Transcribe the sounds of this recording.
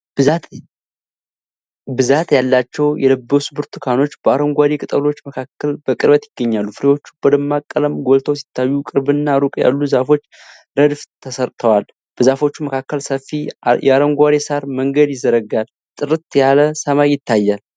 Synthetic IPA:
bɨzat̪jalːat͡ʃːɛwjɛləbːəusɨbuɾt̪ʰɨkʰano̞t͡ʃːbəaɾəŋɡʷad̪ekʼɨt̪ʼəlo̞t͡ʃːməkʰakːəlb̥əkʼɨɾbət̪jɪɡːəɲːalːufɨɾewo̞t͡ʃːu̥b̥əd̪əmːakʼːələmɡo̞lt̪ʰəwsi̥t̪ːajːukʼɨɾbɨnːaɾukʼja̰lːuzafo̞t͡ʃː | ɾəd̪ft̪ʰəsəɾt̪ʰəwal | b̥əzafo̞t͡ʃːuməkʰakːəlsəfːijɛaɾəŋɡʷad̪esaɾməŋɡəd̪jɪzːəɾəɡal | t̪ʼɨɾɨt̪jaləsəmajːɪt̪ːajːal

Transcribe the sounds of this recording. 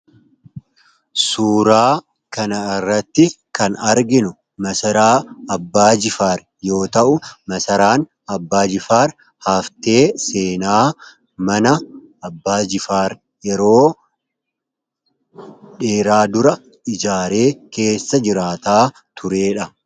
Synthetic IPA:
suːɾaː | kɐnɐɪrːɐt̪ːɪkɐnɐɾɡɪnʊ | mɐsɐɾaːɐbːaːd͡ʒɪfaːɾ | jo̞ːt̪ɐʔʊmɐsɐɾaːn | ɐbːaːd͡ʒɪfaːɾ | haːft̪e̞ːseːnaː | mɐnɐ | ɐbːaːd͡ʒɪfaːɾ | jɛɾo̞ː | ᶑeːɾaːd̪ʊɾɐ | ɪd͡ʒaːɾe̞ːke̞ːsːɐd͡ʒɪɾaːt̪aː | t̪ʰʊɾe̞ːᶑɐ

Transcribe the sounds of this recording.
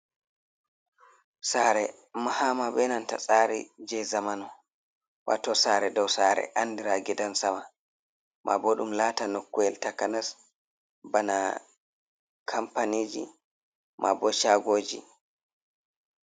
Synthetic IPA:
saːɾɛ | mahamabɛnanta̰sʼaɾḭd͡ʒɛzamanɔ | wa̰tɔsaːɾɛdɔwsaɾɛ̰ʔandiɾaɡɛdansama | mʔa̰boɗumlaːtanokːuɛltakanas | bana | kʰampanid͡ʒḭ | mʔa̰bɔʃaɡoːd͡ʒḭ

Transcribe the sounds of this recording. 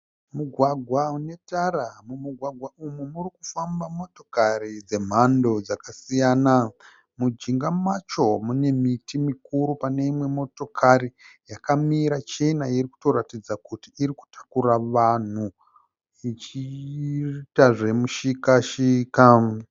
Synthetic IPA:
muɡʱwaɡʱwaune̞taɾamumuɡʱwaɡʱwaʔumumurikufambamo̞to̞kaɾid͡ze̞m̤ando̞d͡zakasijaːna | mud͡ʒiŋɡamat͡ʃo̞mune̞mitimikuɾupane̞imwe̞mo̞to̞kʰaɾijakamiɾat͡ʃe̞nairiku̥to̞ɾatid͡zakutiːriku̥tḁkuɾaʋan̤u | it͡ʃi | taʐe̞muʃikaʃika

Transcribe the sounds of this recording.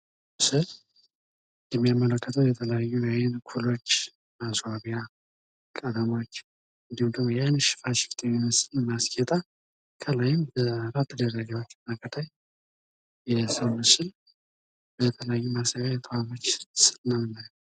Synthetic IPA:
sɨl | jɛmːijamːələkːət̪ʰəwjɛt̪ʰələjajːuwajɪnkʰulo̞t͡ʃː | masaβija | kʼəd̪əmo̞t͡ʃː | ɨnd̪ihumd̪əmojanɨʃɪ̥faʃɪ̥ft̪ʰɛmimɨsɨlmaskʰʼɛt̪ʼa | kʰəlajɪmbəɾat̪ʰːəd̪ərːəɡawot͡ʃːmaɡət̪ʰaj | jɛsɨmɨsɨl | bət̪ʰələjajːumasaβajt̪ʰʼəwʷamot͡ʃːsɨlnamɨnːajː

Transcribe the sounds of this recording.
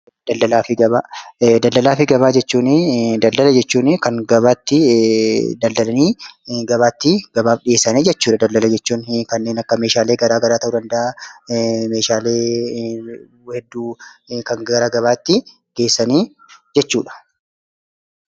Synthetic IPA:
d̪̥ɐld̪ɐlaːfɪɡɐβaːd̪ɐld̪ɐlaːfɪɡɐβaːd͡ʒɛt͡ʃːuːnɪd̪ɐld̪ɐlɐd͡ʒɛt͡ʃːuːnɪkɐŋɡɐβaːt̪ːɪ | d̪ɐld̪ɐlɐniːɡɐβaːt̪ːɪɡ̥ɐbaːfᶑɪeːsːɐneːd͡ʒɛt͡ʃːuːᶑɐd̪ɐld̪ɐlɐd͡ʒɛt͡ʃːuːnkɐnːeːnɐkːɐmeːʃaːleːɡɐɾaːɡɐɾaːt̪ɐʔuːd̪ɐnd̪ɐʔaː | meːʃaːleː | hɛd̪ːuːkɐŋɡɐɾaːɡɐβaːt̪ːɪ | ɡ̥e̞ːsːɐniː | d͡ʒɛt͡ʃːuːᶑɐ̥

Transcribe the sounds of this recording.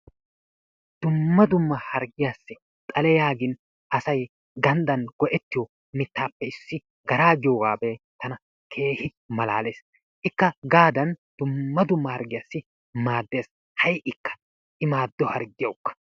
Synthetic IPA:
d̪̥ʊmːɐd̪ʊmːɐhɐɾɡɪjasːɪ | t̪ʼɐlɛjaːɡɪn | ʔɐsɐj | ɡɐnd̪ɐnɡ̥ɔʔɛt̪ːɪjɔ | mɪt̪ːaːpːɛɪsːɪ | ɡɐɾaːɡɪjoːɡaːbe | t̪ɐnɐ | kʰe̞ːhɪ | mɐla̰ːle̞ːs | ʔɪkːɐɡaːd̪ɐnd̪̥ʊmːɐd̪ʊmːɐhɐɾɡɪjasːɪ | maːd̪ːe̞ːs | hɐjʔɪkːɐ̥ | ʔɪmaːd̪ːɔhɐɾɡɪjɐwkːɐ̥

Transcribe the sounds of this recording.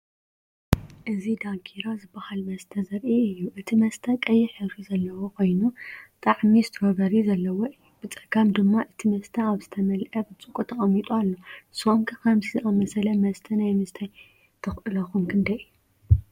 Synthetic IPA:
ʔɨzid̪aŋkʰiɾozɨbːɐhalmɐst̪ʰɐzɐɾʔiɨjːuʔɨt̪ʰimɐst̪ʰɐkʼɐjːɪħɨβɾizɐlːɐwokʰo̞jnut̪ʼaʕmizɨt̪ʰɾoβɐɾizɐlːɐwoɨjːubɨt͡sʼɐɡamd̪ɨmːaʔɨt̪ʰimɐst̪ʰɐaβzɨt̪ʰɐmɐlʔɐbɨt͡sʼɨkʼut̪ʰɐχʼɐmːit̪ʼualːo̞sɨomkʰɨkʰɐmt̪ʰizɨʔamɐsɐlɐmɐst̪ʰɐnajmɨst̪ʰaj | t̪ʰɨxʔɨlɐxumkʰɨnd̪ɐjɨjːu

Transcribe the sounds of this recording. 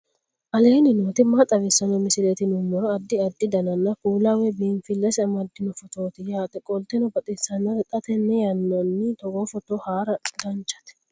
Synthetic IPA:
ʔɐleːnɪnoːt̪ɪmːat̪ʼɐβɪsːɐnɔmɪsɪlet̪ɪnʊmːɔɾɔɐd̪ːɪɐd̪ːɪd̪ɐnɐnːɐkuːlawɛbiːnfɪlːɐsɪɐmɐd̪ːɪnɔfɔt̪oːt̪ɪjaːt̪ʼɛkʼɔlt̪ɛnɔbɐt̪ʼɪsɐnːɐɾɛt̪ʼɐt̪ɛnːɛjɐnːɔnːɪt̪ɔɡoːfɔt̪ohaːɾɐɡɐnt͡ʃːɐ̥t̪ɛ̥

